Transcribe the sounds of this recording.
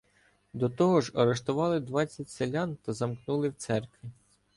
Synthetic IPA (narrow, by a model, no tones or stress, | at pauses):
d̪ɔt̪ɔɦɔʒɐɾeʃt̪ʊʋɑlˠɪd̪ʋɑt͡sʲːɐtʲselʲant̪ɐzɐmknulˠɪwt̪sɛrkʋʲi